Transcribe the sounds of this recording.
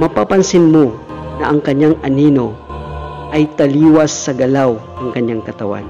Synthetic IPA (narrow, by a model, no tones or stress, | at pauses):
mɐpapɐnsɪnmonɐʔɐŋkɐɲːaŋʔɐnino̞ | ʔɐjt̪ɐliːwɐsːɐɡɐlawnɐŋkɐɲjaŋkɐt̪ɐwa̰n